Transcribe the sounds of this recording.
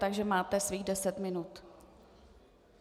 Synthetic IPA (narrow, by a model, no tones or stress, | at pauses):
t̪aɡʒɛmaːt̪ɛsviːɣdɛsɛt̪mɪnut̪